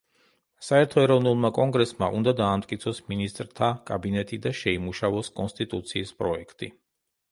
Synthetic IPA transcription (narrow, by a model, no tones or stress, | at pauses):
saɛɾt̪ʰɔɛɾɔvnulˠmakʼɔŋɡɾɛsmaʔund̪ad̪aːmt̪ʼkʼit̪sʰɔsminist̪ʼɾt̪ʰakʼabinɛt̪ʼid̪aʃɛimuʃavɔskʼɔnst̪ʼit̪ʼut̪sʰiːspʼɾɔɛkʰt̪ʼḭ